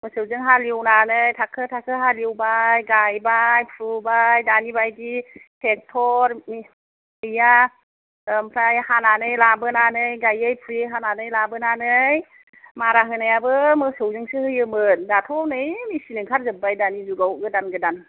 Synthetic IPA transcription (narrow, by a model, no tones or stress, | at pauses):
mɯsɯwzɯŋɦaliwnanɯjtʰakʰɯtʰakʰɯɦaliwbajɡajbajpʰɾubajdanibajditʰek̚tʰɔɾmi | əja | mpʰɾajhananɯjlabɯnanɯjɡajɯjpʰuɾeɦananɯjlabɯnanɯj | maɾaɦɯnajabɯmɯsɯwzɯŋsɯhɯjɯmɯn̚datʰɔwnɯjmisinɯŋkʰaɾzɯbajdanizuɡawɡɯdanɡɯdan